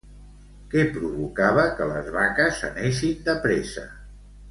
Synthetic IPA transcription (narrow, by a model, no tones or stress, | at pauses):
kɛpɾuβukaβəkələzβakəsːə̰neʃind̪əpɾesə̰